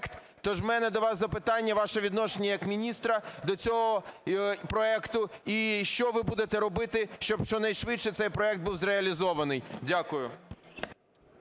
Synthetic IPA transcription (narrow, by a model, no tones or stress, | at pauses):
kt̪ | t̪ɔʒwmɛnɛd̪ɔʋɑszɐpɪt̪ɑnʲːɐʋɑʃɛʋʲid̪nɔʃenʲijɐkmʲinʲist̪ɾɐd̪ɔt͡sʲɔɦɔpɾɔɛkt̪ʊiʃt͡ʃɔʋɪbud̪et̪ɛɾɔbɪt̪ɪʃt͡ʃɔbʃt͡ʃɔnɐjʃʋɪt͡ʃʃɛt̪sɛjpɾɔɛk̚t̪̚buwzɾeɐlʲizɔʋɐnɪjdʲakʊjʊ